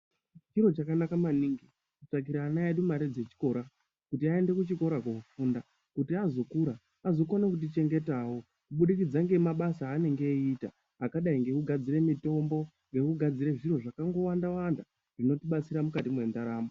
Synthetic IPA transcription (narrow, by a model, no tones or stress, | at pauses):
t͡ʃiɾo̞t͡ʃakanakamaniːŋɡi | kut͡ʂak̬iɾaːnaeɗumaɾed͡ze̞t͡ʃi̥ko̞ɾa | kutiae̞nde̞kut͡ʃiko̞ɾakokufuːnda | kutiazo̞kuɾa | azo̞ko̞nekut̬it͡ʃe̞ŋɡe̞tawo̞ | kuɓuɗikid͡zaŋɡe̞maɓasaːne̞ŋɡe̞ita̰ː | kaɗaiŋɡe̞kuɡʱad͡ziɾe̞mito̞mbo̞ | ŋɡe̞kuɡʱad͡ziɾe̞ʐiro̞ʐakaŋɡo̞wandawanda | ʐ̥ino̞tiɓat͡siɾamukatimwe̞ndaɾaːmo